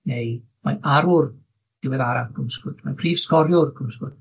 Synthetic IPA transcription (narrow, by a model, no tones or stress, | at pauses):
nej | ma̰aɾʊr | d̥ɪwɛðaɾaɡ̥ʊmskʊd̥majpʰriːvskɔɾjʊrɡʊmskʊd̥